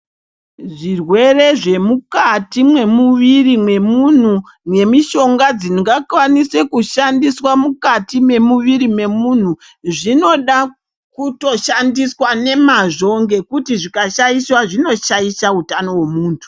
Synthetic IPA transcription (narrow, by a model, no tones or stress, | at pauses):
ʐirwe̞re̞ʐe̞mukatimwe̞muʋirimwe̞mun̤u | mwe̞miʃo̞ŋɡad͡ziŋɡakwanise̞kuʃandiswamukatime̞muʋiɾime̞mun̤u | ʐino̞ɗa | kuto̞ʃandiswane̞maʐo̞ŋɡe̞kutiʐikaʃaiswaʐino̞ʃaiʃautano̞wemuːntʰu̥